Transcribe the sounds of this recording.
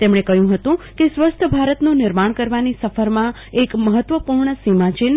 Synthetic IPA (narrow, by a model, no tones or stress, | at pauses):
t̪emɳ̃ekəjũɦət̪ũkesʋəst̪ʰəbʱaɾət̪nũnɪɾmaɳ̃kəɾʋanisəfəɾmã | ekməɦət̪ːʋəpuɾɳəsimãt͡ʃin